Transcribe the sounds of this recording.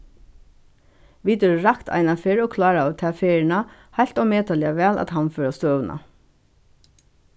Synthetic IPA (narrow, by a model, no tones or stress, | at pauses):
ʋiːt̪ɛɾɹakt̪ʰa̰jnafɪɹɔkʰlɑːɾaːt̪ʰɛːfeːɹɪnahajl̥t̪awmeːt̪alɪaʋɛːla̰t̪hanfœːɾast̪œːwnʔa̰